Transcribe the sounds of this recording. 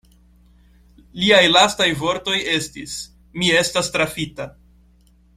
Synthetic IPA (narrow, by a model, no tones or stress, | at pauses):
liajlastajvo̞ɾto̞je̞stis | mie̞stastɾafita